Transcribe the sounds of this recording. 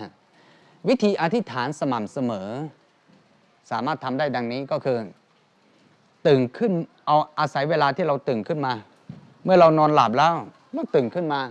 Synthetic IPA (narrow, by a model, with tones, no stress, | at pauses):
wi˦˥t̪ʰiː˧ʔa˧t̪ʰi˦˥t̪ʰaː˩˦nsa˧ma˨˩m̚sa˧mɤː˩˦ | saː˩˦maː˥˩t̪ʰːa˧mdaː˥˩jda˧ŋniː˦˥kɔː˥˩kʰɯː˧ | t̪ɯː˨˩ŋkʰɯ˥˩nʔa˧wʔaː˧sa˩˦jweː˧laː˧t̪ʰiː˥˩ɾa˧wt̪ɯː˨˩ŋkʰɯ˥˩nmaː˧ | mɯ˥˩ɐɾa˧wnɔː˧nla˨˩p̚lɛː˦˥w | mɯ˥˩t̪ɯː˨˩ŋkʰɯ˥˩nmaː˧